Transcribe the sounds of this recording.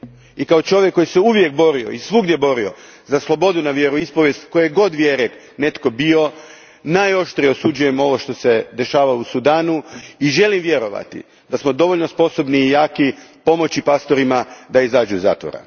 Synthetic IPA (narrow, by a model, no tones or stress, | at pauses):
ikaot͡ʃo̞ʋjekːo̞jiseuʋje̞k̚bo̞ɾio̰isʋuɡd̪je̞bo̞ɾio̞ | zaslˠo̞bo̞d̪unaʋjeɾuispoʋje̞st̪ko̞jjeɡo̞d̪ʋjeɾek | ne̞t̪ko̞bio̞ | najo̞ʃt̪ɾijeosud͡ʑuje̞mo̞ʋo̞ʃt̪o̞se̞d̪e̞ʃaːʋausud̪aːnuiʒe̞limʋje̞ɾo̞ʋa̰t̪ḭ | d̪asmo̞d̪o̞ʋo̞ʎno̞spo̞so̞bniːjaːkipo̞mo̞t͡ɕipast̪o̞ɾimad̪aizaːd͡ʑuiza̰ːt̪ʋo̰ɾa̰